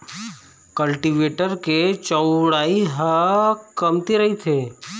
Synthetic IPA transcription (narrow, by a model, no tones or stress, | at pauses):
kəlʈiʋeːʈəɾket͡ʃəʊɽaːiɦəkɐmt̪eɾɐɦit̪ʰeː